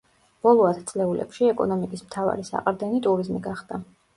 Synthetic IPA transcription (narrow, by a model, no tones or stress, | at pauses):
b̥ɔlˠɔat̪ʰt̪sʼlɛulɛ̰pʃiɛkʼɔ̰nɔmikʼismt̪ʰava̰ɾisa̰qʼɾd̪ɛnit̪ʼuɾizmiɡaχd̪̥a